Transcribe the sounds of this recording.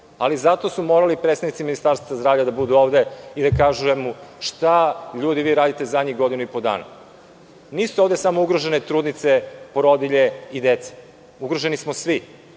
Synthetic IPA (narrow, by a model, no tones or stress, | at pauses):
alizat̪osumo̞ːɾalipɾet̪st̪avnit̪siminist̪aɾst̪azazd̪ɾaːvʎʲad̪abud̪uo̞ːʋd̪eid̪akaʒujemuʃt̪aʎuːd̪iʋiːɾaːd̪it̪ezad̪ɲiɡo̞d̪inuipod̪a̰ːna̰ | niːsuo̞ːvd̪e̞samo̞uɡɾoʒe̞net̪ɾuːd̪nit̪se̞poɾod̪iʎe̞id̪et̪se̥ | uɡɾoʒe̞nismosʋi